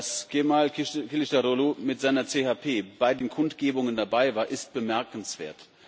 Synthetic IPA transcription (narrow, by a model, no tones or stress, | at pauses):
asɡ̥emalkʰɪlɪʃtaʁolomɪtz̥aɪnɐt͡seːhaːpʰeːb̥aɪdeːnkʰʊntɡ̥eːbʊŋəndabaɪvaːɐʔɪst̚b̥əmɛɐkn̩sv̥ḛːɐt